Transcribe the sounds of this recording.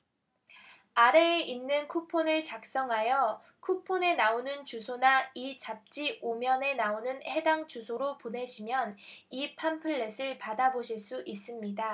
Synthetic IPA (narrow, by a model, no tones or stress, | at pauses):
aɾe̞ːinːɯnkʰupʰonɯɭt͡ɕak̚s͈ʌŋɦajʌ | kʰupʰone̞naonɯnt͡ɕusʰonait͡ɕap̚t͡ɕ͈iomjʌne̞naonɯnhe̞daŋt͡ɕusʰoɾopone̞ɕʰimjʌnipʰampʰɯɭːe̞sʰɯɭpadaboɕʰiɭs͈uʔis͈ɯmɲida